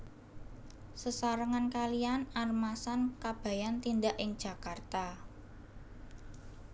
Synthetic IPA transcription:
səsaɾəŋankalianarmasankab̥a̤jant̪indaʔɪŋd̥ʒ̥ä̤kart̪a

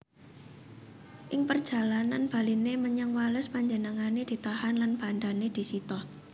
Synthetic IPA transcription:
ʔɪŋpərd̥ʒ̥ä̤lananb̥a̤lineməɲaŋwaləspaɲd͡ʒənəŋaned̪̥i̤t̪ahanlanb̥a̤nd̪aned̪̥i̤sit̪ɔh

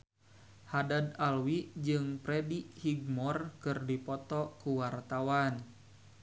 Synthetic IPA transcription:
hadad̪alwid͡ʒɨŋpɾɛdiʔhiɡ̚mɔrkɨrdipɔt̪ɔkuwart̪awan

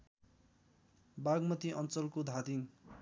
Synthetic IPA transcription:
baɡmʌt̪iʔʌnt͡sʌlkod̪ʱad̪iŋ

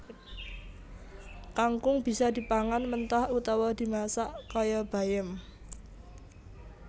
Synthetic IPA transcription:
kaŋkʊŋb̥i̤sɔd̪̥i̤paŋanmənt̪ahut̪ɔwɔd̪̥i̤masaʔkɔjɔb̥a̤jɪm

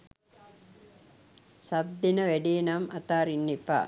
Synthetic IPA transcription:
sɐb̚d̪inɐʋeɖiːnɐmɐt̪aːɾinːipa̰

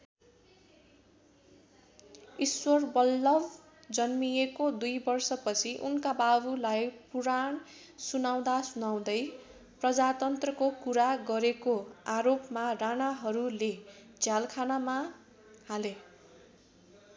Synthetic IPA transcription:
iswʌrbʌlːʌb | d͡zʌnmijekod̪ujbʌrsʌpʌt͡sʰiʔunkababulajpuɾaɳ | sunaw̃d̪asunaw̃d̪ʌj | prʌd͡zat̪ʌnt̪rʌkokuɾaɡʌɾekoaɾopmaranaɦʌɾule | d͡zʱjalkʰanama | hale

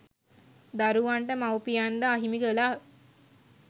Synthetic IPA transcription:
d̪aɾuʋaɳʈəmawpijand̪aːɦimiɡəla

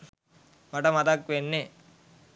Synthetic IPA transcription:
mɐʈɐmɐt̪ɐkʋenːe

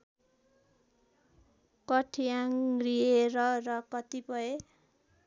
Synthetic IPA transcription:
kʌʈʰijaŋrieɾʌrʌkʌt̪ipʌe

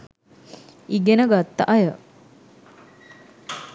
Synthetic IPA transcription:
iɡenəɡat̪ːaʔajə

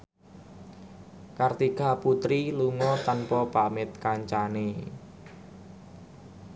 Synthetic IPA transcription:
kart̪ikaput̪ɾiluŋɔt̪anpɔpamɪt̪̚kaɲt͡ʃane

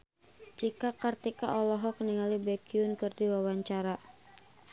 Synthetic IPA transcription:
d͡ʒikakart̪ikaʔɔlɔɦɔkniŋalibɛkiʊnkɨrdiwawaɲt͡ʃaɾa

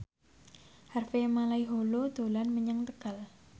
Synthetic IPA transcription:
harfemalaiɦolod̪̥o̤lanməɲəŋt̪əɡ̥a̤l

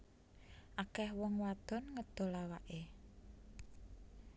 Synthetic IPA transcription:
ʔakɛhwɔŋwad̪̥ɔ̤nŋəd̪̥ɔ̤lawaʔe

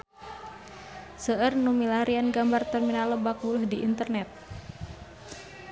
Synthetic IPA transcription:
səʔərnumilaɾianɡambart̪ərminaləbak̚buluhdiʔint̪ərnɛt̪̚

